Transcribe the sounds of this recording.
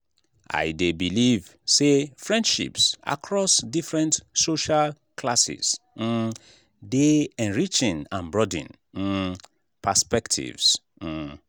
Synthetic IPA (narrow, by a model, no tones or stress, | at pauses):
ʔa̰jdebilivsefɹɛ̃ndʃḭpsa̰kʰɹɔsdifɹɛ̃ntsoʃal | kʰlasḭz̥̩ | deɛ̃nɹit͡ʃĩnãnbɹɔdḭ̃n̩ | pʰəspɛktʰḭvs̩